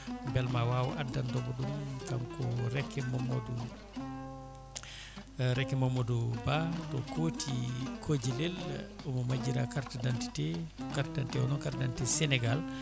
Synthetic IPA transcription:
mbɛlmawaːwɔ̰ʔadːandɔbɔɗumkamkɔɾɛkːɛmɔmɔdu | ɾɛkːɛmɔmːodubatɔkoːtʰikʰod͡ʒilel | ɔmɔmad͡ʒiɾakaɾtadanti̥tɛkaɾtdantɛɔnɔnkaɾtdantɛsɛnɛɡal

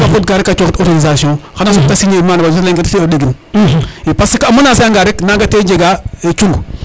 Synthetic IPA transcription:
kafotɡaɾekːat͡ʃoktɔɾɡanizasiõxanasotasiɲemanbad͡ʒosleŋɡetsioɗeɡin | ipasikamunasajaŋɡaɾeknaɡated͡ʒeɡaet͡ʃuŋɡu

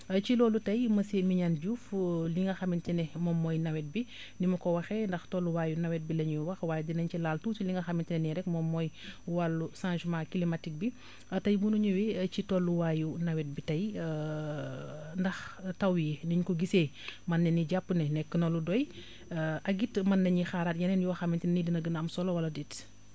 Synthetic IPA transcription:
ɐcilɔːlutɐjmɐsemiɲanɟuːfliŋɡɐxɐmintinɛmɔmːɔjnɐwɛt̚bi | nimɐkɔwɐxɛndɐxtɔlːuwaːjunɐwɛt̚bilɐɲuwɐxwaːjɛdinɐɲilaːltutiliŋɡɐxɐmintinɛniɾɛk̚mɔmːɔjwalːusãːʒmãːkilimatik̚bi | ɐtɐjbunuɲuwit͡ʃitɔlːuwaːjunɐwɛt̚bitɐj | ndɐxtɐwijɛniɲkɔɡiseː | mɐnːɛniɟapːnɛnɛkːənɔlːudɔj | ʔɐɡitmɐnːɐɲixaːɾaːt̚jɐnɛnjuwɐxɐmːintinnidinɐɡənɐmsɔlɔwɐlɐdit

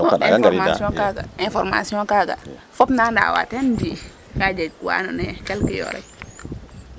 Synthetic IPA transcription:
ɾmasiɔ̃kaɡa̰ĩnfɔɾma̰siɔ̃kaɡa̰fɔpnanda̰wa̰tendi | kad͡ʒeɡkuwa̰nonɛkɛlkijɔ̰ɾa̰j

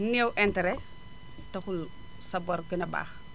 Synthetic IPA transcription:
nɛwʔɛntɛɾɛ | tɐxul | sɐbɐrɡinɐba̰ːx

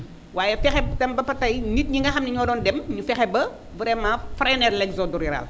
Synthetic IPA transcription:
waːjɛfɛxɛtɐmbɐpɐtɐjnit̚ɲiŋɡɐxɐmniɲɔːdɔːndɛmɲufɛxɛbɐ | vuɾɛmaːfɾɐjnɛrlɛɡzɔduɾiɾa̰l

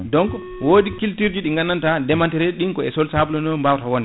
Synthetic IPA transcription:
dɔŋk | woːɗikiltiɾd͡ʒuɗiŋɡanːantadɛmantɛɾɛɗiŋkɔɛsɔlsablɔnɔmbawtawɔnɛ

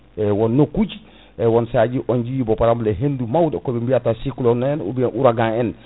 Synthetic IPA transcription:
ewonːokuɟ | ewonsaɟiʔoɲɟijibopaɾamleɦendumawdekobimbiatasikulonoenṵbiʔuɾaɡãen

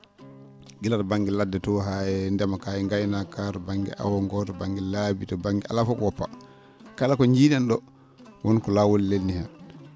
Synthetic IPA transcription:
ɡilatbaŋɡɛladːɛtɔɦajɛndɛmakajɛŋɡajnakatɔbaŋɡɛ̰ʔa̰wɔŋɡɔtɔbaŋɡɛlabitɔbaŋɡɛʔa̰lafɔkwɔpːa̰ | kalakɔɲd͡ʒiːɗɛnɗɔ | wɔnkɔlawɔlːelnihɛn

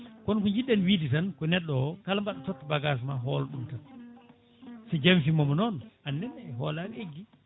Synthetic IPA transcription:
kɔnkɔɲd͡ʒiɗːɛnwiːditankɔnɛɗːɔkalambaɗɔtɔtːbaɡas̬maɦɔlɗumtan | sɛd͡ʒamfimɔmɔnɔnʔanːɛnːɛɛɦɔːlaɾeɡːi

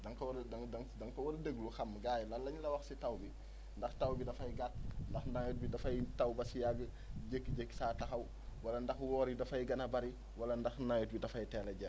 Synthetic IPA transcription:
dɐŋkɐwɾdɐŋdɐŋdɐŋkɐwɐɾdəɡluxɐmɡaːjlɐlːɐɲlɐwɐxsitɐwbi | ndɐxtɐwbidɐfɐjɡat̚ndɐxnajut̚bidɐfɐjtɐwbɐsjaɡə | ɟəkːɟəkːsaːtɐxɐw | wɐlɐndɐxwɔːɾidɐfɐjɡɐnɐbɐɾi | wɐlɐndɐxnajut̚bidɐfɐjtɛːlɐɟɐ

